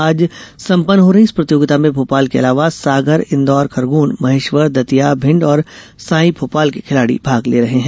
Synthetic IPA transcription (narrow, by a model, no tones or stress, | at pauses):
aːd͡ʒsɐ̃mpənːɦoɾɐɦispɾɐt̪joːɡɪt̪amẽbʱoːpaːlkeɐ̰laːʋasaːɡʱəɾɪ̃nd̪ɔːɾkʰɐɾɡuːnmɐɦeːʃʋəɾd̪ɐt̪ijabʱɪ̃ɳɖɔːɾsãːĩbʱoːpaːlkikʰɪlaːɽḭbʱaːɡleːɾɐɦeɦɛ̃ː